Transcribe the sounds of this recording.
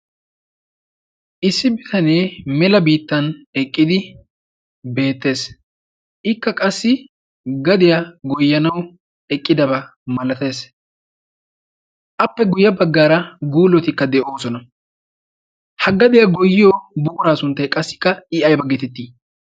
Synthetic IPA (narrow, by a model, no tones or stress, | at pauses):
ʔɪsːɪbɪt̪ɐneːmɛlɐbiːt̪ːɐnɛkʼːɪd̪ɪ | be̞ːt̪ːe̞ːs | ʔɪkːɐkʼɐsːɪ | ɡɐd̪ɪjaɡɔjːɐnɐw | ɛkʼːɪd̪ɐbɐmɐlɐt̪e̞ːs | ʔɐpːɛɡʊjːɐbɐɡːaːɾɐɡuːlɔt̪ɪkːɐd̪ɛʔo̞ːsɔnɐ | hɐɡɐd̪ɪjɐɡɔjːɪjoːbʊkʊɾaːsʊnt̪ːɐjkʼɐsːɪ̥kːɐɪɐjbɐɡːɛt̪ɛt̪ːiː